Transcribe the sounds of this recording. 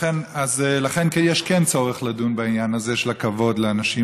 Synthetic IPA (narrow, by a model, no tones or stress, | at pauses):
enazlaχenkejɛʃkɛnt͡so̞ʁeχladunbainjanazeʃelakavo̞dleanaʃi